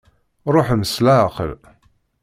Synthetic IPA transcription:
ɾˤoħməslaqə̰l

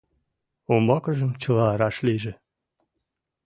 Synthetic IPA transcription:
ombɑkəʒəmt͡ɕəlɑɾɑʃliʒĕ

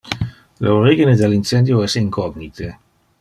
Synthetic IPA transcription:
lḛoɾiɣined̪elinsɛnd̪joɛsiŋkɔɡnit̪ʰe

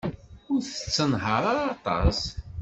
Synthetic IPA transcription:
ʊɾθə̥t͡sːənɦəɾˤaɾːt̪ˤɑ̰s

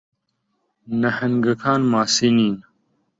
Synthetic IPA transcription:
nɐhɐnɡɐkʰaːnmaːsiniːn

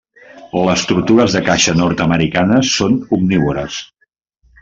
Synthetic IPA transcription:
ləst̪ut̪uɾəzðəkaʃənɔɾt̪əməɾikanəsonubniβuɾəs

